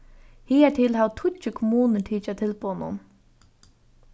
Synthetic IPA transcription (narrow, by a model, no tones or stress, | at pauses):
hiːɛt̪ʰiːlɦawt̪ʰʊt͡ʃɪkʰɔmuːnəʈ̪ʰiːt͡ʃat̪ʰɪlpuːwnʊ̰n